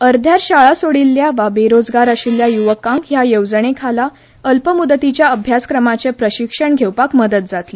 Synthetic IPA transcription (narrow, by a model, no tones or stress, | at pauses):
əɾd̪ʱjaɾɕaɭasoɽilːjaʋabeɾod͡zɡaɾəɕiljajuʋəkãŋkjajəwd͡zəɳ̃ekʰala | əlpəmud̪ət̪it͡ɕjaəbʱjaskɾəmat͡sepɾəɕikʂəɳɡʱewpakməd̪ət̪̚d͡zat̪li